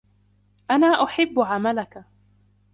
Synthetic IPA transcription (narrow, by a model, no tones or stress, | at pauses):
ʔanaːʔʊħɪbːʊʕamalaka